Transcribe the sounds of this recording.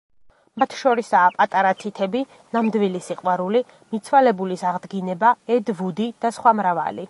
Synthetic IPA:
mat̪ʰʃɔɾisaːpʼat̪ʼaɾat̪ʰit̪ʰɛbi | namd̪vilisiqʼwaɾuli | mit̪sʰwalɛbulisaʁd̪ɡinɛbaɛd̪vud̪id̪̥asχwamɾava̰li

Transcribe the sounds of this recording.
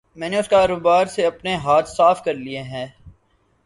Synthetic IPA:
mɛ̃ːneʊskaːɾoːbaːɾseɐpneɦaːt̪ʰsaːfkɐɾlieɦɛ̃ː

